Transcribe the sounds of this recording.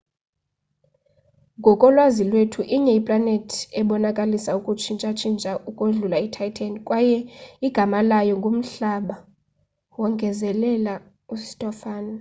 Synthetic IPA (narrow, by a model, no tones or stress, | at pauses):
ŋɡʱɔkʼɔlwazilwetʰuʔiɲɛipʼlanetʰiɛɓɔnakʼalisaukʼut͡ʃʰint͡ʃʼat͡ʃʰint͡ʃʼaukʼoɮulaitʰajtʰankʼwajɛiɡ̥ʱamalajɔŋɡʱum̩ɬaɓa | wɔŋɡʱɛzɛlɛla | usi̥tʼɔfaːni